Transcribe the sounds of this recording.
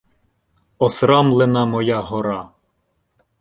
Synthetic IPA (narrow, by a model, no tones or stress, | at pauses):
ɔsɾɑmlˠenɑmɔjɑɦɔɾɑ